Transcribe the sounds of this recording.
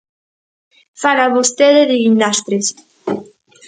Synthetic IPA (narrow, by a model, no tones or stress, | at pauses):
falaβost̪eðeðeɣinːast̪ɾes